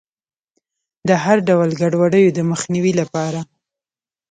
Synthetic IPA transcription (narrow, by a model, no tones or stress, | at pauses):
d̪əɦaɾɖawlɡaɖwaɖəjod̪əməxniwilapɑɾa